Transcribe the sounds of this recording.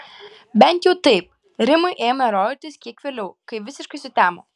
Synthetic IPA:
bʲɛnʲt̪ʲjɛʊt̪ɐɪp | ɾʲɪmʊɪʔeːmɐɾɔːɪt̪ʲɪskʲiɛkʋʲeːlʲɛʊkɐɪʋʲɪsʲɪʃkɐɪsʊt̪ʲæːmo̰ː

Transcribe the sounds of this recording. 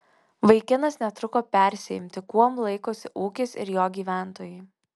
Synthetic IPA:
ʋɐɪkʲɪnɐsnʲɛt̪ɾʊkoːpʲæˑɾʲsʲɛjɪmʲt̪ʲɪkuɔmlˠɐɪkoːsʲɪʔuːkʲɪsɪ̰ɾjoːɡʲiːʋʲæˑnt̪oːjɛɪ

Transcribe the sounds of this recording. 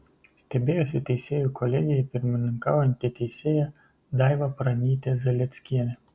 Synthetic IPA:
sʲt̪ʲɛbʲeːjosʲɪt̪ʲɛɪsʲeːjukɔlʲɛɡʲɪjɛpʲɪɾʲmʲɪnʲɪŋkɑːʊjɛnʲt̪ʲɪt̪ʲɛɪsʲeːjɛ | d̪ɑɪʋɐpɾɐnʲiːt̪ʲezʲɛlʲɛt̪sʲkʲiɛnʲɛ

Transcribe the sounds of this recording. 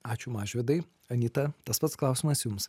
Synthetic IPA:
ɑːt͡ʃʲʊmɑːʒʲʋʲɛd̪ɐɪ | ɐnʲiːt̪ɐt̪ɐspɐt̪sklˠɑʊsʲɪmɐsjʊms

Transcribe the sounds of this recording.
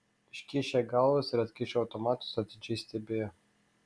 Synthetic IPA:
ɪʃʲkʲɪʃʲeɡɐlˠʋɐsɪɾɐt̪ʲkʲɪʃʲoɐʊt̪ɔmɑːt̪ʊ̥sɐt̪ʲɪd͡ʒʲɛɪsʲt̪ʲɛbʲeːjo

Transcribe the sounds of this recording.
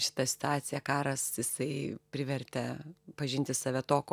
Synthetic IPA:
ʃʲɪ̥t̪ɐsʲɪ̥t̪ɑːt̪t͡s̪ʲɪjɛkɑːɾɐsjɪsɐɪpʲɾʲɪʋʲɛɾʲt̪ʲɛpɐʒʲɪnʲt̪ʲɪsɑːʋʲɛt̪oːk

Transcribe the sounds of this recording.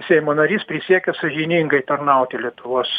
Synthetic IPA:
sʲɛɪmoːnɐɾʲiːspʲɾʲɪsʲiɛkʲɛsɐʒʲɪnʲiŋɡɐɪt̪ɐrnɐʊt̪ʲɪlʲiɛt̪ʊʋoːs

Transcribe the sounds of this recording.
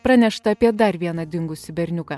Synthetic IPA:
pɾɐnʲɛʃt̪ɐːpʲiɛd̪ɐɾʋʲiɛnɐd̪ʲɪŋɡʊsʲɪbʲɛɾʲnʲʊkɐ

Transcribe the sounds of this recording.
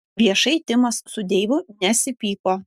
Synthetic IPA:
ʋʲiɛʃɐɪt̪ʲɪmɐssʊd̪ʲeːʋʊnʲɛsʲɪpʲiːkoː

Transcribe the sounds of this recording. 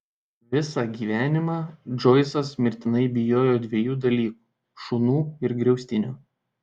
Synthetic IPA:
ʋʲɪsɑːɡʲiːʋʲæːnʲɪmɑːd͡ʒɔɪsɐsmʲɪɾʲt̪ʲɪnɐɪbʲɪjoːjoːd̪ʲʋʲɛjuːd̪ɐlʲiːku̥ː | ʃuːnuːɪɾɡɾʲɛʊsʲt̪ʲɪnʲuː

